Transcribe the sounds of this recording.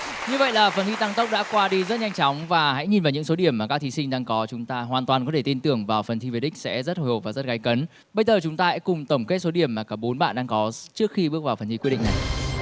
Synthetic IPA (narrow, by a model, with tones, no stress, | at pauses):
ɲɨ˧və̰˧˨jlaː˨˩fə˨˩nt̪ʰi˧t̪a˧ŋt̪ə˦˥wk͡p̚ɗa̰ː˧˥kwaː˧ɗi˧zə˦˥t̚ɲa˧jŋ̟t͡ɕɔ˨˦wŋ͡mvaː˨˩ɦa̰˧˥jɲi˨˩nvaː˨˩ɲɨ̰˧˥ŋso˨˦ɗi˧˩əmːaː˨˩kaː˦˥kt̪ʰi˨˦sï˧ŋ̟ɗaː˧ŋkɔ˨˦t͡ɕʊ˨˦ŋ͡mt̪aː˧ɦwaː˨˩nt̪waː˨˩nkɔ˨˦t̪ʰe˧˩t̪i˧nt̪ɨ˨˩əŋvaː˨˩wfə˨˩nt̪ʰi˧ve˨˦ɗï˥k̟̚sɛ̰˧˥zə˦˥t̚ho˨˩jho˨˩vaː˨˩zə˦˥t̚ɣaː˨˦jkə˨˦n | ɓə˧jzəː˨˩t͡ɕʊ˨˦ŋ͡mt̪aː˧sɛ̰˧˥kʊ˨˩ŋ͡mt̪ə˧˩wŋ͡mke˦˥t̚so˨˦ɗi˧˩əmːaː˨˩kaː˧˩ɓo˨˦nɓa̰ː˧˨nɗaː˧ŋkɔ˨˦t͡ɕɨ˦˥ək̚xi˧ɓɨ˦˥ək̚vaː˨˩fə˨˩nt̪ʰi˧wɗ̰ŋna˨˩j